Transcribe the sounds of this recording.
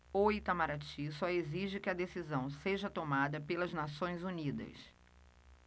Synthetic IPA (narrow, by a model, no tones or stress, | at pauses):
oit̪amaɾat͡ʃisɔeziʒɪkɪɐd̪esizɐ̃w̃seʒɐt̪omad̪ɐpelɐznasõj̃zunid̪ɐ̰s